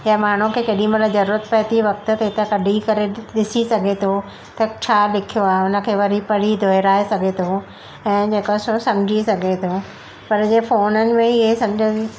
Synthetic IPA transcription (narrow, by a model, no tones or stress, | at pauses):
jamaːɳ̤ũkʰeːkɐɗĩmɐt̪ləzɐɾuːɾət̪pɐɦɪt̪iʋɐk̚t̪ʊt̪ɐɪt̪ɐkɐɖʱikɐɾeɗɪsisɐɡʱet̪ʰo | t̪ɐt͡ɕʰaːlɪkʰijoaːɦeʊnə̆kʰeːʋɐɾipɐɽ̤id̪ʱoːɪɾaːesɐɡʱet̪ʰo | ɛ̃ːd͡ʑeːkososɐ̃md͡ʑʱisɐɡʱet̪ʰoː | pɐɾd͡ʑefoːnənɪ̆mẽɪɦesɐ̃md͡ʑʱoi